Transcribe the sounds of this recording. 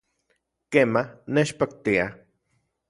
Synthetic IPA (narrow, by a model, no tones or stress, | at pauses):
kemahnet͡ʃpak̚t̪ia